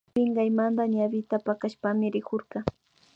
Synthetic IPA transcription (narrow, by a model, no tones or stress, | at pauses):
pɪɴɢɑjmand̪aɲabɪt̪apakaʃpamɪɾɪkoɾɢɑ